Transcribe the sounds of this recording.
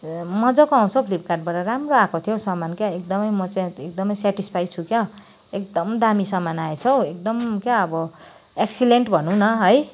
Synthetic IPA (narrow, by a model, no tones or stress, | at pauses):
mʌd͡zʌkoaw̃t͡sʰʌwpʰlip̚karʈ̚baʈaɾamroakʰot̪ʰijosʌmːankjaek̚d̪ʌmʌjmʌt͡saĩek̚d̪ʌmʌjsɛʈispʰajt͡sʰukjʌ | ek̚d̪ʌmd̪amisʌmːanaet͡sʰʌwek̚d̪ʌmkjaʌbʌ | eksileɳʈbʱʌnũnʌɦʌj